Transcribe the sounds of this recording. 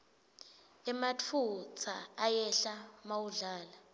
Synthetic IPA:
ɛmat͡fʰut͡sʰaːjɛɬamawuɮaːla

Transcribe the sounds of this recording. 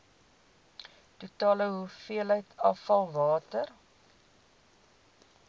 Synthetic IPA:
tutɑːləɦufiələjtɑfɐlˠvɑːtər

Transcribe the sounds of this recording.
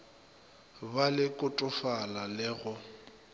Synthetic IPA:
balɪkʼʊtʼʊfalalɪɣʊ

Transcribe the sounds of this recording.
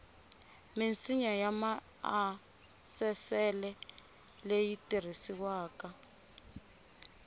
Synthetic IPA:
mint͡siɲajama | a | sɛsɛlɛ | lejitir̤isiwaːka

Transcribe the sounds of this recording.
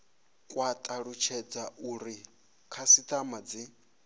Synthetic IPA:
kʼwat̪ʼaɺut͡ʃʰɛd͡zaʔuɾi | kʰasit̪ʼamad͡zi

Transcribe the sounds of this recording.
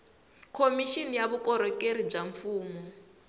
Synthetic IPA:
kʰomiʃinijaβukɔɾɔkeɾib͡ʐaɱfuːmɔ

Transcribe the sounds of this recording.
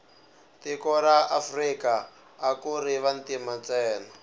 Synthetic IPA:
tikɔɾaʔafrikaː | kuɾiβantimat͡sɛːna

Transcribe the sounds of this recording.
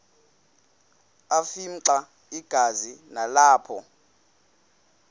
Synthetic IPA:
afim̩ǀa | iɡ̥ʱazinalaːpʰɔ

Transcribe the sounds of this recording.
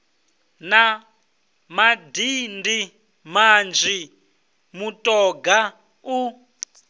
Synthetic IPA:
na | madindi | mand͡ʒi | mutʼɔɡa | u

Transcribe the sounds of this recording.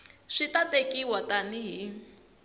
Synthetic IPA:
ʂitatekiwataniɦi

